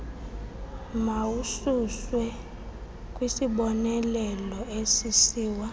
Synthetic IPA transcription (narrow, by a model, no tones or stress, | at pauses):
mawususwɛ | kʼwisiɓɔnɛlɛlɔesisiːwa